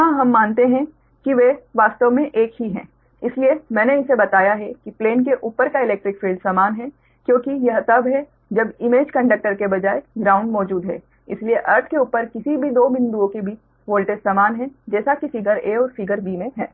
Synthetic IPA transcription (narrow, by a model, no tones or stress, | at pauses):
ɦãɦɐmːaːnt̪eɦɛ̃ | kiʋeʋaːst̪əʋmẽʔeːkɦiɦɛ̰̃ː | ɪsliemɛ̃ːneɪsebɐt̪aːjaɦɛkipleːnkeʔuːpəɾkaɪlɛːk̚ʈɾɪkfʰiːlɖsaːmaːnɦɛ | kjõːkijɐɦt̪ɐbɦɛ | d͡ʒɐbɪmeːd͡ʒkɐ̃ɳɖək̚ʈəɾkebɐd͡ʒaːeɡɾaːʊ̃ɳɖmɔːd͡ʒuːd̪ɦɛ | ɪslieʔɐɾʈʰkeuːpəɾkɪsibʱid̪oːmɪ̃nd̪uõkibʱi | ʋoːlʈesaːmaːnɦɛ̃d͡ʒɛːsakifɪɡəɾeːɔːɾfɪɡəɾbiːmẽɦɛː